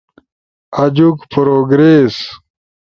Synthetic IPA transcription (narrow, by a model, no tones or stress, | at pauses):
ɐd͡ʑukpɾoːɡɾeːs